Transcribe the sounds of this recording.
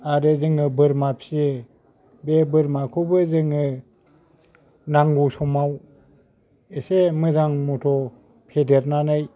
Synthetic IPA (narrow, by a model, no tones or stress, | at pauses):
aɾezɯŋɯbɯɾmapʰie | bebɯɾmakʰubɯzɯŋɯ | naŋɡusɔmaw | esemɯzaŋmutʰɔ | pʰedeɾnanaj